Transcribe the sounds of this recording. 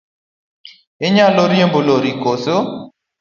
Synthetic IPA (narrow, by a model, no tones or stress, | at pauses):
ɪɲaloɾjemboloɾikoso